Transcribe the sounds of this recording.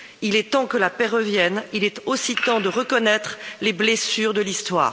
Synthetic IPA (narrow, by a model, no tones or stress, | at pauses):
ilɛt̪ɑ̃kəlapɛʁəvjɛnilɛt̪osit̪ɑ̃d̪əʁəkɔnɛt̪χleblesyːʁd̪əlist̪wa̰ːʁ